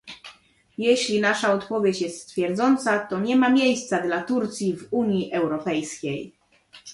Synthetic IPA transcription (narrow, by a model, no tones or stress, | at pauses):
jɛɕlʲinaʂaɔt̪pɔvʲjet͡ɕjɛst̪st̪fʲjɛɾd̪zɔnt̪sat̪ɔɲɛmamʲjejst̪sad̪lat̪uɾt̪sʲjivuɲiʔɛwɾɔpɛjskʲej